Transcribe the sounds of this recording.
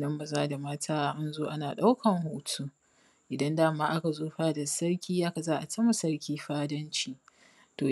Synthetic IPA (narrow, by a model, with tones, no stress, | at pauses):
nɐ˦mbɐ˨zaː˦da˨maː˦tʰaː˦a˦ʔa˦nzoː˦ʔa˦naː˨ɗa˦wkʰɐ˨ŋho˨tʰuː˦ | ʔɪ˨dɐ˦ndaː˦maː˦ʔa˦ka˨zoː˦ɸaː˦da˨sɐ˦ɽkʲiː˦jʔa˦ka˨zaː˦ʔa˨tɐ˦ma˨sɐ˦rkʲiː˦ɸaː˦dɐ˦nt͡ʃiː˦ | toː˨